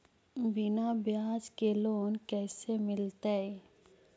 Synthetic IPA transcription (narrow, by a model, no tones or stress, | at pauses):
bɪnabjaːd͡ʒkeloːnkɛːsemɪlt̪eɛ